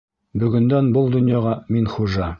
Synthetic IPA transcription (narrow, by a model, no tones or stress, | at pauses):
bɵ̆ɡɵ̆nd̪ænbulˠd̪ɵ̆njɑʁɑminχuʒɑ